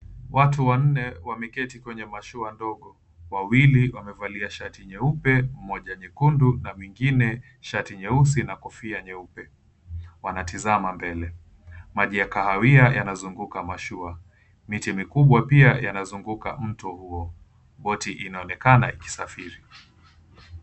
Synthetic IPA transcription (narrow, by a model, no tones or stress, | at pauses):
wʔatuwan̩nɛwamɛkɛtikwɛɲɛmaʃuandɔɠɔ | wawiliwamɛvaliaʃatiɲɛupɛm̩mːɔʄaɲɛkundunamwiŋɡinɛ | ʃatiɲɛus̬inakɔfiaɲɛupɛ | wanatizamambɛlɛ | maʄijakahawiajanazuŋɡukamaʃua | mitimikuɓwapiajanazuŋɡuka̰m̩tɔhuɔ | ɓɔtiʔinaɔnɛkana̰iki̥safiɾi